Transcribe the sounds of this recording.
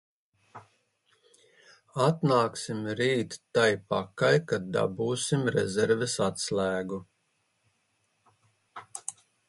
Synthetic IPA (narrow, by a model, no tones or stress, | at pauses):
at̪naːksimɾiːt̪ːajpakajkad̪̚d̪a̰buːsimɾɛ̰zɛɾvɛsat̪slæːɡu